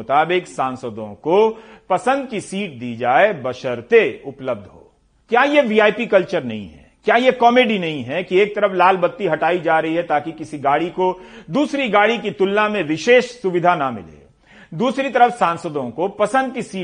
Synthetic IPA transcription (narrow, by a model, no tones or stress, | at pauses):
ʊt̪aːbɪksãːnsəd̪õkopɐsə̃nd̪kisiːʈ̚d̪iːd͡ʒaːebɐʃəɾt̪eʊpləb̚d̪ʱɦo̰ː | kjaːjeʋiːaːipikɐlt͡ʃəɾnɐ̰ɦḭ̃ɦɛ̰kjaːjekɔːmeːɖinɐɦĩɦɛkieːk̚t̪ɐɾəflaːlbɐt̪ːiɦɐʈaːid͡ʒaːɾɐɦiɦɛt̪aːkikɪsiɡaːɽikod̪uːsɾiɡaːɽikit̪ʊlːamẽʋɪʃeːʃsʊʋɪd̪ʱanɐmɪ̰lḛː | d̪uːsɾit̪ɐɾəfsãːnsəd̪õkopɐsə̃nd̪̚kisiː